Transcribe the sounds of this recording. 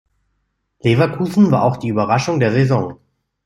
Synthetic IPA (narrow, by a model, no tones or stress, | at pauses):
levakʰuːzn̩vaːɐaʊxd̥iːyːbɐʁaʃʊŋdeːɐzezɔŋ